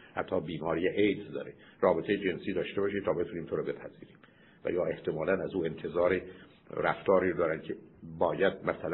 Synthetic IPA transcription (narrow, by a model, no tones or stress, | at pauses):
hæt̪ʰːɒːbiːmɒːɾijeʔejd̪zd̪ɒ̰ːɾe | ɾɒːbet̪ʰejed͡ʒe̞nsiːd̪ɒːʃt̪ebɒːʃit̪ʰɒːbe̞t̪ʰuniːmt̪ʰoɾɔbe̞pʰæziːɾiːm | væ̰jɒːʔe̞ht̪ʰe̞mɒːlænæzuːe̞nt̪ʰe̞zɒːɾi | ɾæft̪ʰɒːɾiːɾd̪ɒːɾæncʰebɒːjæd̪̚mæsæl